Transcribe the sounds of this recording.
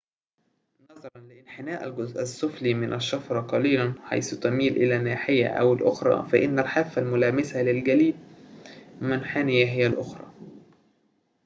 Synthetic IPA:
nɑðˤɑɾˤɑnlɪʔɪnħɪnæːʔælɡʊzʔæsˤːʊfliːmɪnʔæʃːɑfɾˤɑqɑliːlænħa̰jsʊt̪ɑmiːlʔɪlæːnːaːħɪjːæ̰ʔæ̰wɪlʔʊxɾˤɑ̰ːfæʔɪnːælħaːfːælmʊlæːmɪsælɪlɡæliː | mɪnħaːnɪjæɦɪjːælʔʊxɾˤɑ̰ː

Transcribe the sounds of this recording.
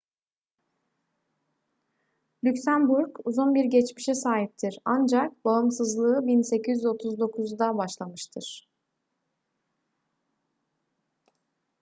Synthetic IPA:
lʲycsænbuɾkuzunbiɾɟɛt͡ʃmiʃɛsaːɦip̚t̪ʰiɾand͡ʒak̚baɯmsɯzlˠɯɯbinse̞cʰizyzo̞t̪ʰuzd̪o̞kʰuzd̪abaʃlˠamɯʃt̪ʰɯɾ̥

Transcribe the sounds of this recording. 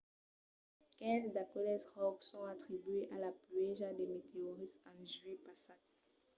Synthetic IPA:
kɛ̃zd̪akɔlɛsʁɔksɔ̃at̪χibɥeʔalapɥeʒad̪emet̪eoʁisɑ̃ʒɥepasa

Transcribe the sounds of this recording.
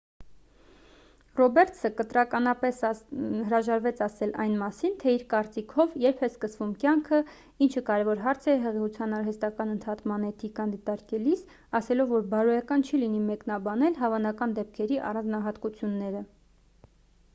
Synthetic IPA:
rɔbɛɾt̪ʰsəkət̪ɾɑkɑnɑpɛshəɾɑʒɑɾvɛt͡sʰɑsɛlɑ̰jnmɑsint̪ʰɛiɾkɑɾt͡sikʰɔvjɛɾpʰɛskəsvumkjɑŋkʰə | int͡ʃʰəkɑɾɛvɔɾɦɑɾt͡sʰɛɦɛʁɛut͡sʰjɑnɑɾɦɛst̪ɑkɑnənt̪ʰɑt̪ʰmɑnɛt̪ʰikɑnd̪it̪ɑɾkɛlis | ɑsɛlɔvːɔɾbɑɾɔjɑkɑnt͡ʃʰilinimɛknɑbɑnɛlɦɑvɑnɑkɑnd̪ɛp̚kʰɛɾiʔɑ̰rɑnd͡znɑɦɑt̪kut͡sʰjunːɛɾə

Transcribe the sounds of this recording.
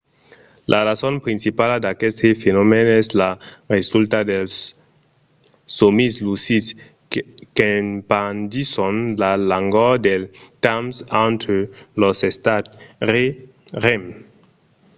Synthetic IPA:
lʔaɾasonpɾinsipalad̪akest̪ʰefenomeneslaʁesult̪ad̪els | somislusis | kenpandisonlalaŋɡod̪eltamsantʰelosest̪atɾe | ʁem

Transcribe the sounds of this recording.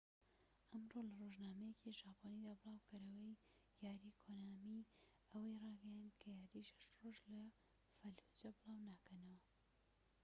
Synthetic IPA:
ʔɐmrolɐroʒnaːmɐjecʰiʒaːponid̪aːbɨlˠɑːwkɐɾɐwɐj | jaːɾiːkʰonaːmi | ɐwɐjrɑːɡɐjand̪kʰɐjaːɾiʃhɐ̥ʃt̪roʒlɐ | fɐlhud͡ʒɐbɨlˠɑːwnaːkʰɐnɐwɐ

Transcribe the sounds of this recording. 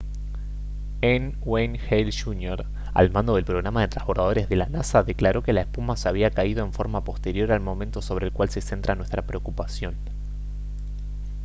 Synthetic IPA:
en | wejnxejlʃunjoɾ | a̰lmãnd̪o̞ð̞elpɾo̞ɣɾamaðet̪ɾasβo̞ɾðað̞o̞ɾezðe̞lanasaðe̞klaɾo̞ke̞laespumaseaβ̞iakaið̞o̞e̞ɱfo̞ɾmapo̞st̪e̞ɾjo̞ɾalmõ̞mẽnt̪o̞so̞β̞ɾeːlkwalse̞se̞nt̪ɾanwe̞st̪ɾapɾeo̞kupasjo̞n

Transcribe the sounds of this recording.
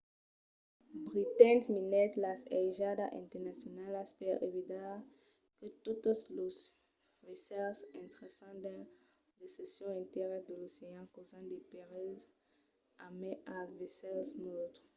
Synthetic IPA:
bʁit̪ɛ̃nt̪minɛt̪lasɛʒad̪aʔɛ̃nt̪ɛnasjɔnalaspɛʁḛvid̪a | kət̪ut̪oslos | vesɛlsɛ̃nt̪ʁesɑ̃d̪ɛ | d̪esesɔ̃ɛ̃nt̪eʁɛd̪əloseãkozãd̪epeʁiz | amɛ̃ʔavesɛlsmot̪χ

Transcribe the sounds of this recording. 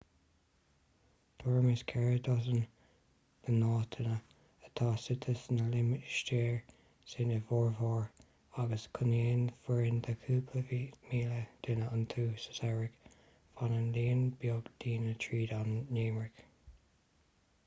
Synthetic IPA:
d̪̥ɔɹmɪskʰɛɹəd̪ɔsən | b̥ənɑːt̪ʰənə | ət̪ʰɑːsɪt̪ʰəsnəlɪmɪʃteːɹ | senəvɔːɹvɔːɹ | aɡəskʰʊneːnfəɹɪnd̪əkʰuːpʰləvimiːləd̪̥ɪnəənt̪ʰuːsə̥saɹɪk | fanənliːənbjoːɡd̪̥iːnət̪ʰɹiːd̪anːeːmɹɪk

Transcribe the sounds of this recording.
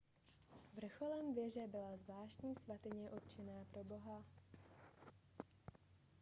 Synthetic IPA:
vr̩xolɛmvjɛʒɛbɪlazvlaːʃt̪ɲiːsvat̪ɪɲɛʔot̪̚t͡ʃɛnaːpɾʔo̞bo̞ɦa

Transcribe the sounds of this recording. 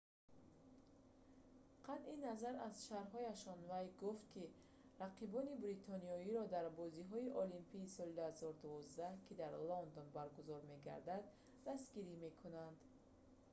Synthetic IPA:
qʰat̪inazaɾaz̥ʃaɾɦɔjaʃɔnvajɡuft̪̚kʰi | ɾaqʰibɔnibɾit̪ʰɔniɔiɾɔd̪aɾbɔziɦɔiʔɔlimpʰiːsɔlid̪uhazɔɾud̪uvɔzd̪ahkʰid̪aɾlɔnd̪ɔnbaɾɡuzɔɾme̞ɡa̰ɾd̪ad̪ | d̪asɡiɾime̞kʰunand̪̥

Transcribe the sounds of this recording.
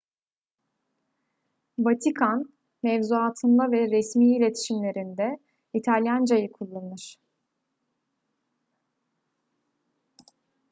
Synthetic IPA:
vat̪ʰikʰan | mɛvzuaːt̪ʰɯnd̪avɛɾɛsmiːilʲet̪ʰi̥ʃimlʲe̞ɾind̪ɛ | it̪ʰalʲjand͡ʒajɯkʰulˠːannɯɾ̥

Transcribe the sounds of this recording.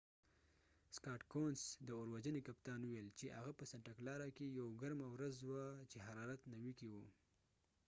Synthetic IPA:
skɑʈkonsd̪əoɾwad͡ʒənekapt̪ɑnuwelt͡ʃeʔa̰ɣapəsaɳʈaklɑɾakejawɡaɾmawɾazwat͡ʃeɦaɾɑɾat̪nawikiwu

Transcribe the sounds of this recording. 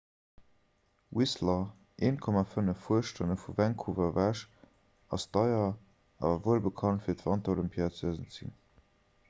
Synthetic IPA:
wʔislɐ | ʔeːnkʰɔmafənəfːuəʃtʰənəfuvæŋkʰuvɐvæʃ | ɑsd̥ɑɪɐ | ʔɑ̰ːvɐvoəlbəkʰɑntfiːɐtv̥ɑntɐoləmpʰiɑt͡səzənt͡sḭn

